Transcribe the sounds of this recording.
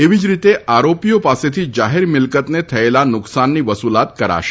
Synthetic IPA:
eʋid͡ʒɾit̪eaɾopijopaset̪ʰid͡ʒaɦeɾmɪlkət̪net̪ʰəelanʊksanːiʋəsulat̪kəɾa̰ʃe

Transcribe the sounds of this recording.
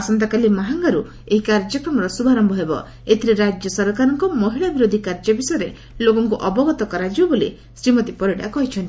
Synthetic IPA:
asɔnt̪ɔkalimaɦaŋɡaɾu | eɦikaɾd͡ʒɔkɾɔmɔɾɔsubʱaɾɔmbɔɦebɔ̰ | et̪ʰiɾiɾad͡ʒjɔsɔɾkaɾɔŋkɔmɔɦiɭabiɾod̪ʱikaɾd͡ʒɔbisɔjɔɾe | lokɔŋkuʔɔbɔɡɔt̪ɔkɔɾad͡ʒibɔboli | sɾimɔt̪ipɔɾiɽa̰kɔɦit͡ʃʰɔnt̪i̥

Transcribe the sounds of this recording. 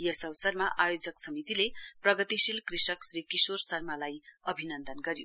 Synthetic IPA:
jʌsʌwsʌrmaʔajod͡zʌksʌmit̪ileprʌɡʌt̪isilkrisʌksrikisorsʌrmalajʌbʱinʌnd̪ʌnɡʌɾjo̰

